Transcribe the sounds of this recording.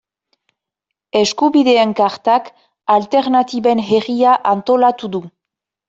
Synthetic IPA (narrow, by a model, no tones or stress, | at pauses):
e̞skuβiðe̞ːŋkaɾt̪ak | alt̪e̞ɾnat̪iβe̞nɦeriaʔant̪o̞lat̪uðu